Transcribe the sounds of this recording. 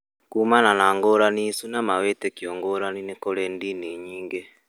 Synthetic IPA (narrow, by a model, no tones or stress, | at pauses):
kuːmananaŋɡoːɾanisunamawetɛkjɔŋɡɔːɾaninekoɾɛndiniɲiːŋɡe